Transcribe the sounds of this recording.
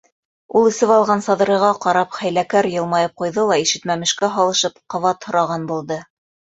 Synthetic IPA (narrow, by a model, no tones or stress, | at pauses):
ulˠɘ̆sɘβɑlˠʁɑnsɑðɤ̆ɾɤ̆ʁɑqɑɾɑpχæjlækæɾjɤ̆lˠmɑjɤp̚qujðɤlˠɑiʃɘ̆t̪mæmɘ̆ʃkæɦɑlˠɤ̆ʃɤpqɑvɑt̪hŏɾɑʁɑnbulˠd̪ɤ